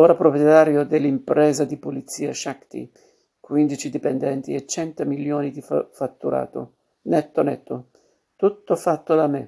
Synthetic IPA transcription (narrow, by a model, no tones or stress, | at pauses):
oːɾapɾopjɛt̪aːɾjod̪elːimpɾɛːzad̪ipulit̪sːiːaʃakt̪ḭ | kwind̪it͡ʃid̪ipɛnd̪ɛnt̪ḭɛt͡ʃːɛnt̪amiljoːnid̪ifat̪ːuɾa̰ːt̪ʊ̰ | nɛt̪ːonɛ̰t̪ːo | t̪ut̪ːofat̪ːod̪amɪ